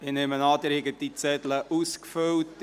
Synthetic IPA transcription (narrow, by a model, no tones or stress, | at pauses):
ɪnemənɑːd̪ɪɾhɪɡəd̥̪it͡sɛd̪ləʔuskfølt